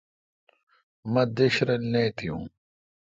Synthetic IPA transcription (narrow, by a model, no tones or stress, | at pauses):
mɐd̪eɕɾɐlneːt̪ʰijṵ̃ː